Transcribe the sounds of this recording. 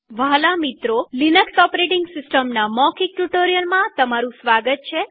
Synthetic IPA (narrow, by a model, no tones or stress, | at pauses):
ʋalamit̪ɾolinəksɔpɾeʈiŋɡsɪsʈəmnamɔkik̚ʈuʈoɾijəlmãt̪əmaɾũsʋaɡət̪̚t͡ʃʰe